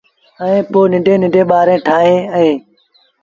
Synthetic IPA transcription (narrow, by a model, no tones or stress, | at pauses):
əĩːpoːnɪɖʱẽːnɪɳɖʱẽːɓaːɾẽːʈʰaːɦẽːəɦeː